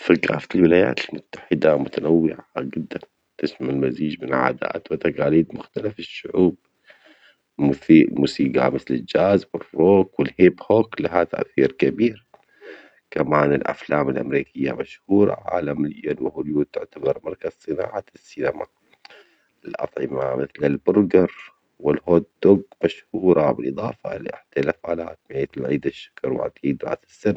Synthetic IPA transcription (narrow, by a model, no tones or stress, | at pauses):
fiɡa̰ːflwɪlaːja̰ːt̪ɪlmʊt̪ːḁħɪd̪amʊt̪anawːɪʕad͡ʒɪd̪ːan | t̪ɪʃmalmaziːd͡ʒmɪnʕa̰ːd̪a̰ːt̪wɪt̪aqaːliːd̪mʊxt̪alafɪʃːʊʕuːb̚ | mθilmuːsiːɡa̰mɪθlɪld͡ʒaːzwɪrːoːkwɪlhɪbhoklaɦat̪a̰ʔθiːɾkabiːɾ | kamaːnɪlʔa̰flaːmɪlʔa̰mɾiːkɪjːa̰maʃhuːɾˤɑ̰ʕa̰ːlamljonwɪhʊluːd̪̚t̪ɪʕt̪abɑɾˤmɑɾˤkaz̥sˤɨna̰ːʕasːinama̰ | ɪlʔɑ̰t̪ˤʕɪmamɪθlɪlbʊɾɡɑɾˤ | wɪlhoːd̪doɡmaʃhuːɾˤɑbɪlʔɨðˤɑːfa̰lʔɪ̰ħt̪alafʕalaːt̪meːt̪lʕiːd̪aʃːḁkɑɾˤwɪ̰ʕa̰t̪iːd̪ɾa̰ːsɪ̥sːan